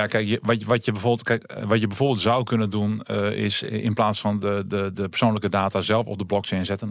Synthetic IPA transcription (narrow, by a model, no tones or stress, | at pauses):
jakɛjkjəʋɔʋɔtjəbɛfotkɛkʋɔtjəbɛjfoːrbːlˠtz̥awkʰønəndunɪ̰sɪ̰nplaːsfɔndədədəpərsoːnləkədaːtazɛlˠfɔ̰p̚dəblɔkt͡ʃɛːnzɛtən